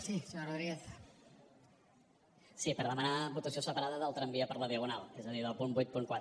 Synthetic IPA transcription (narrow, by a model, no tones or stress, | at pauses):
sisɾəðɾies | sipəɾðəmənaβut̪əsiosəpəɾaðəðəlˠt̪ɾəmbiəpəɾləðiəɣunalˠezəðiðəpumbujt̪̚puŋkwat̪